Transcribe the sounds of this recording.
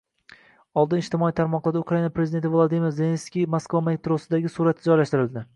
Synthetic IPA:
ɒlˠd̪ɪnɪʃt̪ɪmɒit̪ʰaɾmɒqlˠaɾukɾainapɾezɪd̪ent̪ʰɪvlˠod̪imɪɾzeenskʲijmoskvamet̪ɾosɪd̪aɡʲɪsuɾat̪ʰːɪd͡ʒɒjlaʃt̪ɪɾɪlˠd̪ɪ

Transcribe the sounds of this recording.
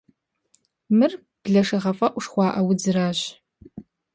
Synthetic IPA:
mɨr | b̥ɮɐʂɐʁɐfʼɐʔʷʂχʷɑːʔɐwʊd͡zɨraːɕ

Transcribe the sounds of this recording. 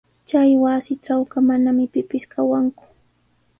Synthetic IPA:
t͡ʃajwasɪʈ͡ʂawkamanamɪpɪpɪskawaŋkʊ̥

